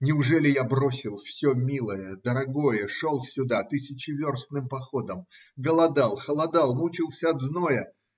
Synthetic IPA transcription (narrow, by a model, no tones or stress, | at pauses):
nʲɪʊʐɛlʲɪjabɾo̞sʲɪlˠfsʲomʲilˠəjəd̪əɾɐɡo̞jəʂolˠsʲʊd̪at̪ɨsʲɪt͡ɕɪvʲorst̪nɨmpɐxo̞d̪əmɡəlˠɐd̪alˠxəlˠɐd̪alˠmut͡ɕɪlˠsʲəɐd̪znojə